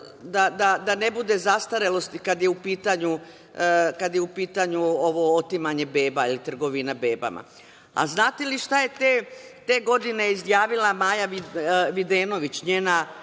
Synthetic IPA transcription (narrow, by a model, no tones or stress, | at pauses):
d̪ad̪ad̪ane̞bud̪e̞zast̪aɾelo̞st̪kad̪jeupiːt̪aɲu | kad̪jeupiːt̪aɲuoʋo̞ot̪imaɲe̞be̞ːbailit̪r̩ɡo̞ʋinabe̞ːba̰ma̰ | a̰znaːt̪eliʃt̪aje̞t̪et̪e̞ːɡo̞d̪ine̞izjaːʋilamaːjaiʋid̪eːno̞ʋit͡ɕɲeːna